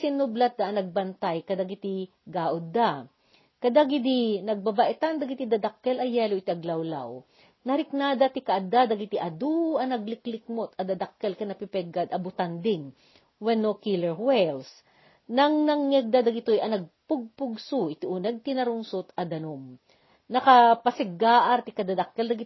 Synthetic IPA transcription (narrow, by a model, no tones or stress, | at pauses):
sɪnʊblat̪̚d̪ɐʔɐnɐɡ̚bɐnt̪ajkɐd̪ɐɡɪt̪iɡaːʔʊd̪ːa | kɐd̪aɡɪd̪inɐɡ̚babaʔɛt̪and̪ɐɡɪt̪id̪ɐd̪ɐkːɛlɐjɛːloʔɪt̪iʔɐɡlɐwla̰w | nɐɾɪk̚naːd̪ɐt̪ɪkɐʔɐd̪ad̪ɐɡɪt̪iʔɐd̪uɐnɐɡlɪklɪk̚mot̪ɐd̪ɐd̪ɐkːɛlkɐnɐpɪpɛɡad̪ɐbʊt̪and̪ɪŋ | wɛnːokilɛɹwɛls | nɐŋnɐŋːɛɡ̚d̪ad̪ɐɡɪt̪ojɐnɐɡ̚pʊɡ̚pʊɡsuʔɪt̪iʔunɐɡ̚t̪ɪnɐɾʊŋsʊt̪ɐd̪ɐnom | nɐkɐpɐsɛɡaːʔɐɾt̪ɪkɐd̪ad̪ɐkːɛld̪ɐɡɪt